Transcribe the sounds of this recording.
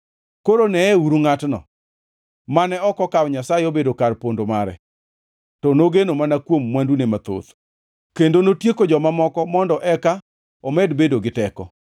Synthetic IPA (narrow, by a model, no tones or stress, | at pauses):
koɾonɛɛuɾuŋatnɔ̰ | manɛɔkɔkawɲasaeobedokarpondomaɾɛ̰ | tɔnoɡenomanakwomːwandunemat̪o̰t̪ | kendonotjekod͡ʒɔmamɔkɔmɔndɔʔɛka | omɛdbedoɡɪtɛkɔ